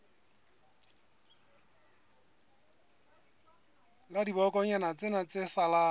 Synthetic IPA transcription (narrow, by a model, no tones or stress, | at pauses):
ladibɔkɔɲanat͡sʼɪnat͡sesalaː